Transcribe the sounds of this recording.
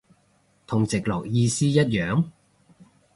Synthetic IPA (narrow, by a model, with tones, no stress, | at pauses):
t̪ʰʊ˨˩ŋt͡sɪ˨k̚lɔː˨˩k̚jiː˧siː˥jɐ˥t̚jœː˨˥ŋ